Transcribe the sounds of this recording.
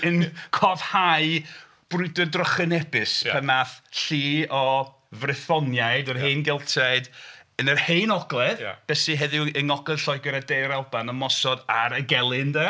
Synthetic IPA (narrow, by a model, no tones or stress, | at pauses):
ənkʰɔv̥haɨ | b̥rʊɨdɔdrɔχənɛbɨspɛnmaθɬiːɔ | vrɪθɔnjaɨdərɦejnɡɪlˠtʰaɨdənərhejnɔɡlˠɛð̰b̥ɛsɨɦɛðɪəŋɔɡlɛð̥ɬɔɨɡəɾadejɾɛlˠbanəmɔsɔdaɾəɡɛlˠɨndə